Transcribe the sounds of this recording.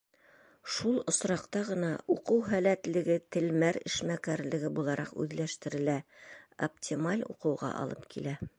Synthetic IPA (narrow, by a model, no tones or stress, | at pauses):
ʃulˠŏsɾɑqt̪ɑʁɤ̆nɑuqɤwɦælæt̪lɘ̆ɡɘt̪ɘ̆lmæɾɘ̰̆ʃmækæɾlɘ̆ɡɘbulˠɑɾʔɑqʉ̰ðlæʃt̪ɘ̆ɾɘ̆læo̰ptʲʰimalʲṵqɤ̆wʁɑ̰ʔɑ̰lˠɤpkʰilæ